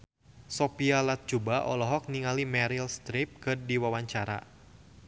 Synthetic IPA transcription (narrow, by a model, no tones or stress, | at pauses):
sɔpialat̪̚d͡ʒubaʔɔ̰lɔɦɔk̚niŋalimɛɾilst̪ɾip̚kɨrdiwawaɲt͡ʃaɾa̰